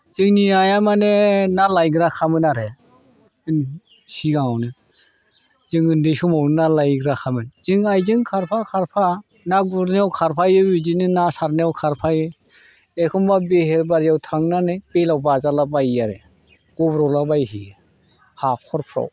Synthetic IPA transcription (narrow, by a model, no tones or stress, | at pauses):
z̥ɯŋniajamanenalajɡɾakʰamɯnaɾe | ɯn | siɡaŋawnɯ | z̥ɯŋɯndɯsumawnnalajɡɾakʰamɯnz̥ɯŋajzɯŋkʰaɾpʰakʰaɾpʰa | naɡuɾnawkʰaɾpʰajɯbizinɯnasaɾnawkʰaɾpʰajɯ | ekʰɔmbabeɦeɾbaɾijawtʰaŋnanɯjb̥elawbazalabajaɾḛ | ɡ̥ɔbɾɔwlabajhi | hakʰɔɾpʰɾa̰w